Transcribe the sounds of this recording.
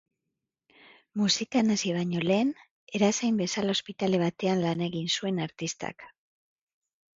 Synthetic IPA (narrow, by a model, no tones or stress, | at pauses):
musikanasiβ̞aɲo̞le̞ːn | e̞ɾasejmbe̞salao̞spit̪ale̞β̞at̪e̞anlanaeɣinsue̞naɾt̪ist̪a̰k